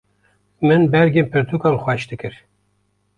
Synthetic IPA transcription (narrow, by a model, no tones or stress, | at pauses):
mɨnbɛɾɡeːnpʰɨɾt̪ʰuːkɑːlxʷwɛʃd̪ɨkɨɾ